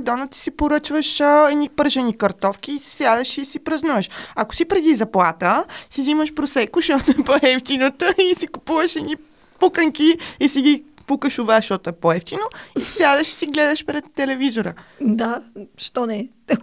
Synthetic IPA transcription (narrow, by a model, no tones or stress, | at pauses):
d̪ɔnət̪i̥sipoɾət͡ʃvəʃɛnipəɾʒənikɐɾt̪ɔfkʲiːssjʲad̪əʃisipɾɐznuvəʃɐko̥sipɾɛd̪izɐplˠat̪əsiziməʃpɾosɛkʊʃt̪ɔt̪ʊɛpoɛft̪inət̪əisikupuvəʃɛni | pukəŋkiisiɡi | pukəʃʊvaʃt̪ɔt̪ʊɛpoɛft̪inoijʲad̪əʃi̥siɡlɛd̪əʃpɾɛt̪ːɛlɛvizoɾəd̪aʃt̪ɔnɛ